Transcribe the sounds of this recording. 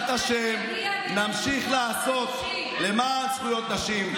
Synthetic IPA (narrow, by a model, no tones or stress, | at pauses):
t̪aʃem | namʃiχlaːso̞t̪ | le̞masχujo̞t̪naʃim